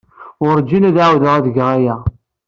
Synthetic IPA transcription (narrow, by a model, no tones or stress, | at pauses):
ʊɾd͡ʒːinæðʕawðəʁæðəɡʁæjæ